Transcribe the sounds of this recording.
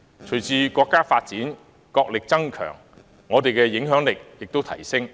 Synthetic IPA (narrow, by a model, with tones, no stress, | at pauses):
t͡ʃʰɵ˨˩jt͡sʰiː˧kɔː˧kːaː˥faː˧t̚t͡siː˨˥n | kɔː˧k̚lɪ˨k̚t͡sɐ˥ŋkʰœ̰ː˨˩ŋː | ɔː˨˧t̪e˨jkɛː˧jɪ˨˥ŋɦœː˨˥ŋlɪ˨k̚jɪ˨k̚t̪o˥wt̪ʰɐ˨˩jsɪ˥ŋ